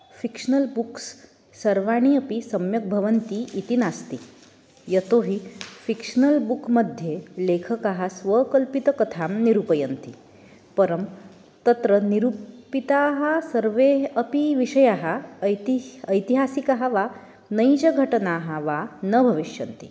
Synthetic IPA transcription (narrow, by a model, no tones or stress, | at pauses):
fikʂnəlbuks | sɐɾʋaɽ̃iɐpisɐmjɐk̚bʱɐʋənt̪iʔːt̪inast̪i | jɐt̪oɦifikʂnəlbukməd̪ʱjelekʰəkaɦasʋəkəlpit̪əkɐt̪ʰamniɾupəjənt̪ḭ | pəɾəm | t̪ɐt̪ɾəniɾupit̪aːɦasəɾʋeɐpiʋiʂɐjaɦat̪iəjt̪iɦasikaɦaʋa | nəjd͡ʒɐɡʱɐʈənaːɦaʋanəbʱɐʋiʃjɐ̰nt̪ḭ